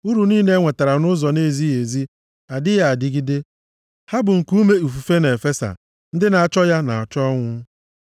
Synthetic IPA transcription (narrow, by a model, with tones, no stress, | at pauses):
u˦ɾu˨niː˦ne˦ŋʷe˨ta˨ɾa˨nʊ˦zɔ˨ne˦˨zi˦e˨zi˦ | a˨dɪ˦ja˨a˨dɪ˦ɡi˦dɪ˦ | ha˦bʊ˨ŋ̩˨ku˦me˦u˨fu˨fe˦n˨e˨fe˦sa̰˨ | n̩˦dɪ˦na˨a˨t͡ʃɔ˦ja˦na̰˨ɔ˨t͡ʃɔ˦ŋʷʊ˦